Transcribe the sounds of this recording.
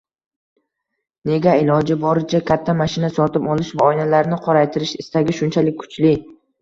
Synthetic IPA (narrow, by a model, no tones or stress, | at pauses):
ne̞ɡʲaɪlɒd͡ʒɪbɒɾɪt͡ʃʰakʲʰat̪ʰːamaʃɪnasɒt̪ɪpɒlˠɪʃvaɒjnalaɾnɪqʰɒɾajt̪ʰɪɾɪʃɪst̪aɡʲɪʃʊnt͡ʃʰalɪkʲʰːʊ̥t͡ʃlɪ